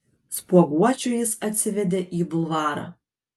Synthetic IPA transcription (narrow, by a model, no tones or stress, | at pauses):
spuɔɡuɔt͡ʃʲuːjɪsɐt̪ʲsʲɪʋʲɛd̪ʲeːʔiːbʊlˠʋɑːɾɑ̰